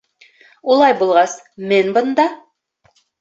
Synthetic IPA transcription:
ulˠɑjbulˠʁɑs | menbɤ̆nd̪ɑ

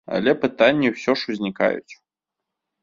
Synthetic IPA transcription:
a̰lʲɛpɨt̪anʲːiwsʲɔʂuzʲnʲika̰jṵt͡sʲ

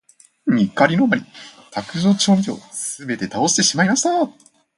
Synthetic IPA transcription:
ɲʲikaɾʲino̞maɾʲit̪akɯ̟zo̞ːt͡ɕo̞ːmʲio̞̰sɨbe̞t̪e̞t̪ao̞ɕt̪e̞ɕimaimaɕi̥t̪a

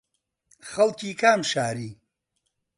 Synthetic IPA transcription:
xɐlkʰiːkʰaːmʃaːɾiː

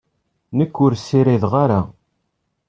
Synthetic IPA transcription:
nəkːʊɾsːiɾiðʁaɾa

